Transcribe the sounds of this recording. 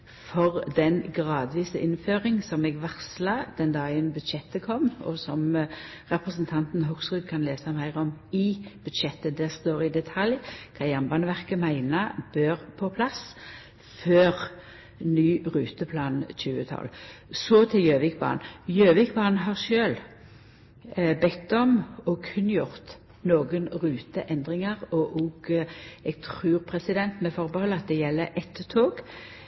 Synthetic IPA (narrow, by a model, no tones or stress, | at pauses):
fɔʁd̪ɛnɡʁɑːd̪ʋiːsəʔɪnføːʁɪŋsɔmɛːɡʋæʁslɑd̪̥ɛnd̪ɑːɡənbʉd̪ʃɛt̪ːəkʰɔmːɔ̰sɔm | ʁɛpʁəsənt̪ʰɑnt̪n̩ɦʊksʁʉːd̪̚kʰɑnleːsɑmæɪʁɔmɪb̥ʉd̪ʃɛt̪ːəd̪æːʁst̪oːʁɪd̪ɛt̪ʰɑljkʰɑjɑmbɑːnəʋæʁkəmæɪnəb̥øːʁpʰɔpʰlɑs | føːʁ | nyːʁʉːt̪əpʰlɑːnc͡çʉːət̪ʰɑ̰lsɔt̪ʰɪljøːʋɪkbɑ̰ːnjøːʋɪkbɑːnɦɑʁʃøːl | bɛt̪ːɔmɔkʰʉnːəjʊʁt̪ | noːɡənʁʉːt̪əʔɛnd̪ʁɪŋəʁɔʔɔɡɛɡ̚t̪ʰʁʉːʁpʰʁɛsɪd̪ɛnt̪mɛfɔʁbəhɔlːəɑt̪̚d̪ɛjɛlːəʔɛt̪ːət̪ʰoːɡ